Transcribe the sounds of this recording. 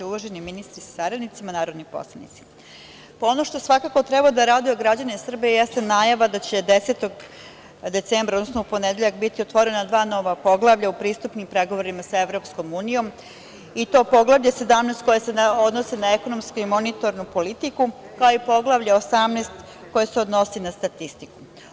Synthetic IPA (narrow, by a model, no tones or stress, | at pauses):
uloʒe̞niminist̪ɾisḁsaɾanit̪simanaːɾo̞d̪nipo̞̰slˠanḭt̪si̥ | poono̞ʃt̪o̞sʋakako̞t̪ɾebad̪aɾaːd̪ioɡɾad͡ʑanesr̩biejest̪enaːjaʋad̪at͡ɕe̞d̪e̞seːt̪o̞ɡ | d̪e̞t̪sembɾaod̪nosnoupo̞ned̪e̞ʎakbit̪iot̪ʋo̞ɾe̞nad̪ʋaːno̞ʋapo̞ɡlˠaʋʎaupɾiːst̪upnimpɾe̞ɡo̞ʋoɾimasaeʋɾo̞psko̞muːnijo̞m | it̪o̞ːpo̞ɡlˠaʋʎese̞d̪amnest̪̚kojeseod̪nosenaeko̞nomskuimo̞nit̪o̞ɾnupo̞lit̪iku | kaoipo̞ɡlˠaʋʎaosamnest̪ | ko̞jeseod̪no̞sinast̪at̪ist̪iku̥